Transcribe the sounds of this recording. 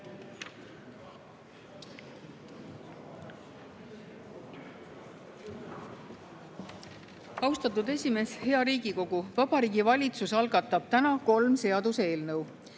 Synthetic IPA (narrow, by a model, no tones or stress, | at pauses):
ɑwst̪ɑt̪ːˑud̪e̞sʲime̞ːshe̞ɑɾiːɡiko̞ɡ̥uvɑbɑɾiːɡivɑlʲit̪susɑlɡɑt̪ːˑɑb̥̚t̪ænɑko̞lmse̞ɑd̪use̞ːlnɤw